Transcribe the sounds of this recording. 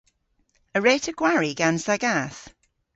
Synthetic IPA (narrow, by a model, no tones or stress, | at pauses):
əɹɛːtʰəɡ̥waɹiɡãnzðəɡaˑθ